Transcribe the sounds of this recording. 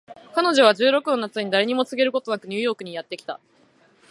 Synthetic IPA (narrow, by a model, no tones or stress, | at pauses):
kano̞ʑo̞β̞aʑɨːɾo̞kɯ̟no̞nat͡sɨɲ̟id̪aɾe̞ɲ̟imo̞t͡sɨɡe̞ɾɯ̟ko̞t̪o̞nakɯ̟ɲ̟ɨːjo̞ːkɯ̟ɲ̟ijat̪ːe̞kʲi̥t̪a̰